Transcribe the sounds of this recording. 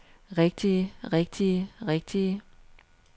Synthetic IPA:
ʁɛɡ̥̚d̥iʁɛɡ̥̚d̥iəʁɛɡ̥̚d̥iə

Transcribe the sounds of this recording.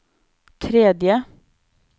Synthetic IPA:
t̪ʰɾɛd̪jə

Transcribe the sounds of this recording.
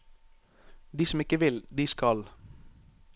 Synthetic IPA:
d̪iːsɔmɪkəʋɪld̪iːskɑl

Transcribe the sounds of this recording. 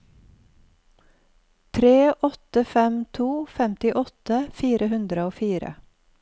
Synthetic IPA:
t̪ʰɾeːʔɔt̪əfɛmt̪ʰuːfɛmt̪ɪʔɔt̪əfiːɾəhʉnd̪ɾəoːfiːɾə̰

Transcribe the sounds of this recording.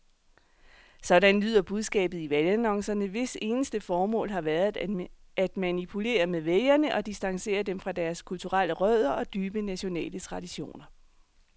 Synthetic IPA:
sɒ̽ɾ̥ænlyð̰ˠɐb̥uð̞ˠsɡ̥ɛ̰ːb̥ð̩ˠiʋælænɒ̽ŋ̰sɐnəʋe̝se̝ːnəsd̥əfɒːmɔ̰̽ːlɦɑ̈ʋæɐðˠ | æd̥mænipʰule̝̰ːɐmeðˠʋelɐnəʔɒ̽d̥isd̥ɑ̈ŋse̝̰ːɐd̥emfʁɑ̈d̥æɐskʰult͡sʰuʁɑl̰əʁœð̞ˠɐɒ̽d̥yːb̥ənæɕo̝nɛ̰ːlət͡sʰʁɑ̈d̥iɕo̝̰ːnɐ

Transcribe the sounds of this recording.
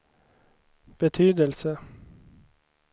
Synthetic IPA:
b̥ət̪ʰyːd̪əlsə

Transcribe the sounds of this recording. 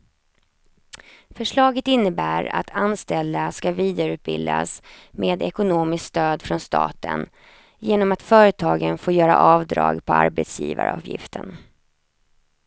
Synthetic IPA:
fœʂɭɑːɡət̪ɪnːəbæːɾa̰t̪ʰanst̪ɛld̪askaviːd̪aɾʉ̟ːt̪̚bɪld̪a̰s | meːd̪ɛkʊnoːmɪskst̪øːd̪fɾɔnst̪ɑ̰ːt̪ə̰n | jeːnɔmat̪fœːɾət̪ʰɑːɡənfoːjœːɾa̰ʔɑːvd̪ɾɑ̰ːɡpʰɔa̰ɾbɛt̪sjḭːva̰ɾɑːvjɪ̰ft̪ʰən

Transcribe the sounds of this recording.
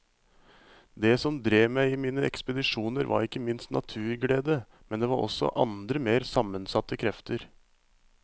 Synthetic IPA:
d̪ɛsɔmd̪ɾeːmæɪimiːnəɛkspəd̪ɪʂuːnəɾʋɑ̰ɾɪkːəmɪnst̪nɑ̰t̪ʰʉːɾɡɽeːd̪ə | mɛnd̪eːʋɑɾʔɔ̰sɔ̰ʔɑnd̪ɾəmeːɾsɑmːənsɑt̪ːəkʰɾɛft̪əɾ

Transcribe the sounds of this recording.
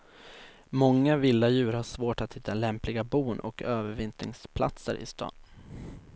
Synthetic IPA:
mɔŋːavɪlːajʉ̟ːɾhaʂvoːʈat̪hɪt̪ʰːalɛmplɪɡabuːnʔɔ̰køːvəɾvɪnt̪nɪ̰ŋspʰla̰t̪sə̰ɾʔɪ̰st̪ɑ̰ːn

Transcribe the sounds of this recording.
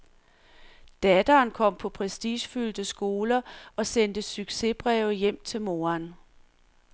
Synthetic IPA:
d̥æd̥ɐːnkʰɒ̽m̰pʰɒ̽pʰʁɛsd̥iːɕfyld̥əsɡ̥o̝ːlɐɒ̽send̥əsyɡ̥se̝b̥ʁɛʊjem̰t͡sʰe̝lmo̝ːan

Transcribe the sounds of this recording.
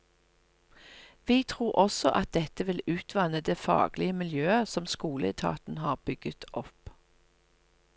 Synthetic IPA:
ʋiːt̪ʰʁuːʁɔsɔʔɑt̪̚d̪ɛt̪əʋɪlʉːt̪ʰʋɑnəd̪eːfɑ̰ːɡlɪəmɪljøːəsɔmskuːləɛ̰t̪ʰɑ̰ːt̪n̩hɑːʁb̥ʏɡ̥ət̪ʔɔp

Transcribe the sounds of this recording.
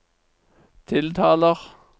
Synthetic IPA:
t̪ʰɪlt̪ʰɑːləʁ

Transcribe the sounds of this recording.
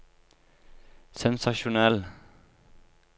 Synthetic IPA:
sɛnsɑʃʊnɛl

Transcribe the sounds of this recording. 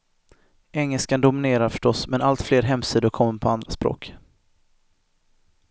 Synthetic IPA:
ɛŋːəlskand̪ʊmɪneːɾaɾfœ̥ʂʈɔsmɛnalt̪fleːɾɦɛmsiːd̪ʊɾkʰɔmːəpʰɔand̪ɾaspɾo̰ːk

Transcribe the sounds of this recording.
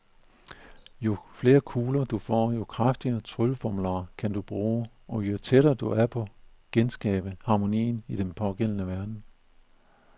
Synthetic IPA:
jo̝fle̝ːɐkʰuːlɐd̥ufɒ̰ːjo̝kʰʁafd̥iɐt͡sʰʁylfɒmlɑːkʰænd̥ub̥ʁuː | ʔɒ̽jo̝t͡sʰeɾɐːd̥uæɐpʰɒ̽ | ɡ̥ensɡ̥ɛ̰ːb̥əhɑ̈ːmo̝nḭːnid̥enpʰɒ̽ɡ̥en̰ənəʋæɐd̥n̩

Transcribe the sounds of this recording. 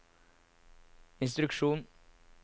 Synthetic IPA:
ɪnst̪ɾʉkʃuːn

